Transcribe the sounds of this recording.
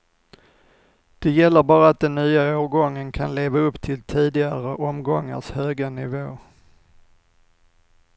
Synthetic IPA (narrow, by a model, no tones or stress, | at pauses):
d̪̥ɛjɛlːəɾbɑːɾaat̪̚d̪ɛnːyːaoːɾɡɔŋːənkʰanleːvaɵpːt̪ʰɪlt̪ʰiːd̪ɪɡaɾəʔɔmɡɔŋːa̰ʂhøːɡanɪvoː